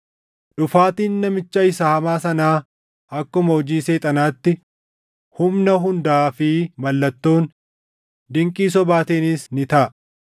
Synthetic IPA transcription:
ᶑʊfaːt̪iːnːɐmɪt͡ʃːɐɪsahɐmaːsɐnaː | ɐkːʊmɐɔd͡ʒiːseːt̪ʼɐnaːt̪ːɪ | hʊmnɐɦʊnd̪aːfɪmɐlːɐt̪ːo̞ːn | d̪ɪŋkʼiːs̬ɔbaːt̪eːnɪsnɪt̪ɐʔɐ

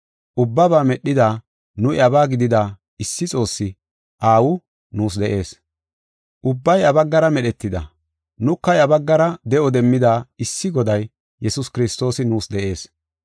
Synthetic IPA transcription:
ʔʊbːɐbaːmɛɗːɪd̪aː | nʊɪɐbaːɡɪd̪ɪd̪aː | ɪsːɪt͡sʼo̞ːsːɪ | ʔaːwʊ | nuːs̬d̪ɛʔe̞ːs | ʔʊbːɐjɐbɐɡːɐɾɐmɛɗɛt̪ːɪd̪ɐ̰ | nʊkːɐjɐbɐɡːɐɾɐd̪ɛʔɔd̪ɛmːɪd̪aːɪsːɪɡɔd̪ɐj | jɛsʊskɪɾɪst̪o̞ːsɪnuːsd̪ɛʔe̞ːs

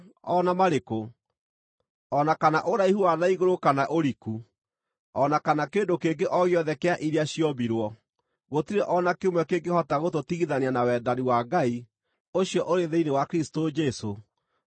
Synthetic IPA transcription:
ɔnamaɾeko | ɔnakanaʔoɾaihuwaðaiɣoɾokanaʔoɾiku | ɔnakanakeːndokeŋɡeʔɔɣjɔðɛkeaʔiɾeaɕijɔbiɾwɔ | ɣotiɾɛʔɔnakemwɛkeɡehɔtaɣototiɣiðaneanawɛdaɾiwaɡai | oɕjɔʔoɾeðeinewakɾisi̥tod͡ʒɛso

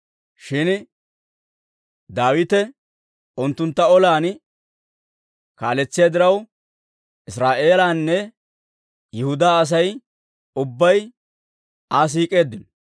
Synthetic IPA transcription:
ʃɪn | d̪aːwɪt̪ɛ | ʊnt̪ːʊnt̪ːɐɔlaːn | kaːlɛt͡sːɪjad̪ɪɾɐw | ɪsɾaːʔe̞ːlaːnːɛ | jɛhʊd̪aːɐs̬ɐj | ʊbːɐj | aːs̬iːkʼe̞ːd̪ːɪnɔ

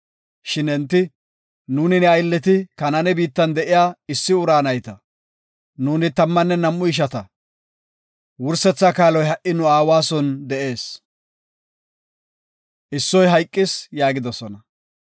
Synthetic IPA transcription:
ʃɪnɛnt̪ːɪ | nuːnɪnɛɐjlːɛt̪ɪkɐnɐnɛbiːt̪ːɐnd̪ɛʔɪjaːɪsːɪʊɾaːnɐjt̪ɐ | nuːnɪt̪ɐmːɐnːɛnɐmːʊɪʃ̬ɐt̪ɐ | wʊɾsɛt͡sːakaːlɔjhɐʔɪnʊaːwaːsɔnd̪ɛʔe̞ːs | ʔɪsːɔjɦɐjkʼːɪsjaːɡɪd̪ɔsɔnɐ

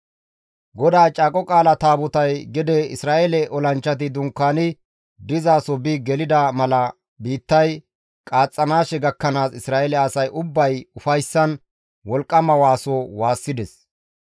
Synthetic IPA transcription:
ɡɔd̪aːt͡ʃʼaːkʼɔkʼaːlɐt̪aːbʊt̪ɐjɡɪd̪ɛɪsɾaːʔɛlɛʔɔlɐnt͡ʃːɐt̪ɪd̪ʊŋkːaːnɪ | d̪ɪzaːsɔbɪɡɛlɪd̪ɐmɐlɐ | biːt̪ːɐj | kʼaːt͡sʼːɐnaːʃɛɡɐkːɐnaːsɪsɾaːʔɛlɛɐsɐjʔʊbːɐjʊfɐjsːɐn | wɔlkʼːɐmɐwaːsowaːsːɪd̪ɛs

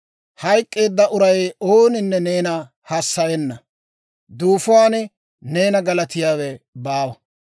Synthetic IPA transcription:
hɐjkʼːe̞ːd̪ːɐʔʊɾɐjo̞ːnɪnːɛne̞ːnɐ | hɐsːɐjɛnːɐ | d̪uːfʊwaːn | ne̞ːnɐɡɐlɐt̪ɪjaːwɛbaːwɐ

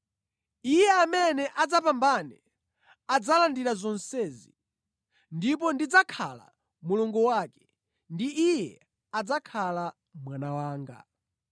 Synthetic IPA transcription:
ijɛamɛnɛʔad͡zapambanɛ | ad͡zalandiɾazɔnsɛːzi | ndip̬ɔndid͡zakʰa̰la̰ | muluŋɡɔwakɛ̥ | ndiʔijɛ | ad͡zakʰala | mwanawaːŋɡa̰

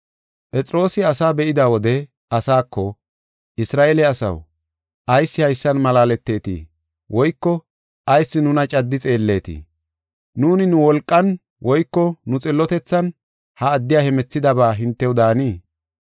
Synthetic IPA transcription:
pʼɛt͡sʼɾo̞ːsɪɐsaːbɛʔɪd̪awɔd̪ɛ | ɐsaːkʰːɔ | ʔɪsɾaːʔeːlɛɐsɐ̰w | ʔɐjsːɪhɐjsːɐnmɐlaːlɛt̪ːe̞ːt̪ḭː | wʔɔjkːɔ | ʔɐjsːɪnʊnɐt͡ʃʼɐd̪ːɪt͡sʼe̞ːlːe̞ːt̪ḭ | nuːnɪnʊwɔlkʼːɐn | wʔɔjkːɔnʊt͡sʼɪlːɔt̪ɛt͡sːɐn | hɐːd̪ːɪjaːhɛmɛt͡sːɪd̪ɐbaːɦɪnt̪ːɛwd̪aːniː

